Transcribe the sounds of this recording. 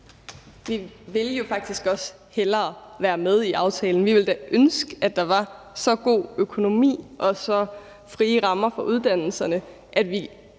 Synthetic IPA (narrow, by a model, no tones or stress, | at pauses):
ʋiʋe̝ljo̝fɑ̈ɡ̥̚d̥isɡ̥ɒ̽s | helɐːʋæːɐmeð̞ˠiʔɑ̈ʊt͡sʰɛːln̩ʋiʋe̝ld̥æʔønsɡ̥əæd̥ɑ̈ʋɑ̈ | sɒ̽ɡ̥o̝̰ːøkʰo̝no̝mḭːʔɒ̽sɒ̽ | fʁiːəʁɑ̈mɐfɒ̽ʔuð̞ˠd̥æn̰l̩sɐnə | ʔæd̥ʋi